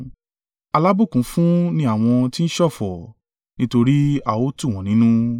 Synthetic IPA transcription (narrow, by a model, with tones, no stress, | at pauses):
a˧la˦bu˦˨kũ˨˦fũ˦nĩ˧˦a˦˨w̃ɔ̃˧ti˦ñ̩˦ʃɔ˦˨fɔ˨ | nĩ˦to˧ɾi˦a˦˨wo˦tũ˦˨w̃ɔ̃˨nĩ˨˦nũ˦